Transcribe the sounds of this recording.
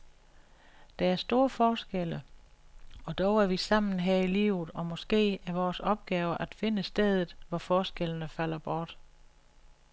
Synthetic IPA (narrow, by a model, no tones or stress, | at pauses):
d̥ææɐsd̥o̝ːɐfɒːsɡ̥el̰ə | ɒ̽d̥ɒʊæɐʋisɑ̈m̰n̩ɦeɐ̰ilḭːʊð̩ˠɒ̽mɒ̽sɡ̥e̝̰ːæɐʋɒːsɒ̽b̥̚ɡ̥ɛːʊɐʔæd̥fe̝nəsd̥eðˠð̩ˠʋɒfɒːsɡ̥elənəfæl̰ɐb̥ɒːd̥